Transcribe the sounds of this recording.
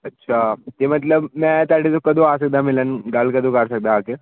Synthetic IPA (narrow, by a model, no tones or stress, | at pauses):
ɐtːʃʰaːt̪emɐt̪̬ləbmɛ̃t̪aːɽet̪̬okɐd̪ʱõaːsɐk̚d̪ãmɪlənɡalkɐd̪ʱõkɐɾsɐk̚d̪aːke